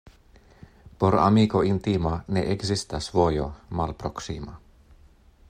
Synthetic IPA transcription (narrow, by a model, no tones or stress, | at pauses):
poɾɑ̰mikoint̪imɑneʔeɡsist̪æsʋojo̰mɑlpɾroksimɑ